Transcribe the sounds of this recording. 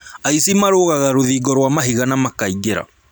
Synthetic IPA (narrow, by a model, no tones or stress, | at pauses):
aisimaɾoːɣaɣaɾoðiːɡɔɾwamaɦiɣanamakaiɡeɾa̰